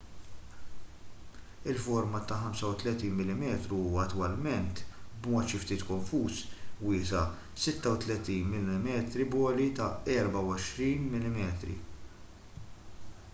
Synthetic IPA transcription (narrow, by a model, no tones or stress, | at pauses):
ɪlfɔɾmɐt̪ɐħɐmsɐwt̪lɛt̪iːnmɪlːɪmɛːt̪ɾuɐt̪ːwɐlmɛnt̪bmɔːt̪ʃɪft̪iːt̪kɔɱfuːswɪːsɐ | sɪt̪ːɐwt̪lɛt̪iːnmɪlɪmɛːt̪ɾibɔːlit̪ɐɛɾbɐwɐʃɾiːnmɪlːɪmɛːt̪ɾḭ